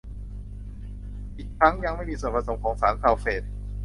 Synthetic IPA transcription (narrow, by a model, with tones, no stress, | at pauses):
ʔiː˨˩kʰɾa˦˥ŋja˧ŋma˥˩jmiː˧su˨˩ənpʰɾa˧so˩˦mkʰɔː˩˦ŋsaː˩˦nkʰaː˨˧wfeː˨˩t̪̚